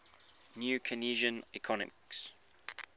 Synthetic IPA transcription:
njuːkʰəniːʒə̃nikʰɔnə̰mɪks

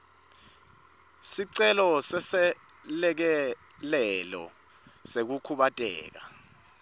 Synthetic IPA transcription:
siǀɛlɔsɛsɛ | lɛk̬ɛ | lɛlɔ̰ | sek̬ukʰuɓatʼɛ̰ːk̬a

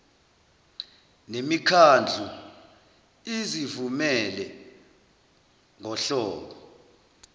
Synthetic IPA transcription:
nemikʰand͡ɮʱu | izivumɛlɛ | ŋɔɬɔːkɔ

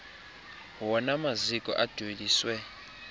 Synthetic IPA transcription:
wɔnamazikʼɔ̰ʔad̥ʱweliːswɛ

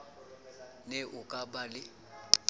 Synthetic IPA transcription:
nɛʔʊkʼabalɪ

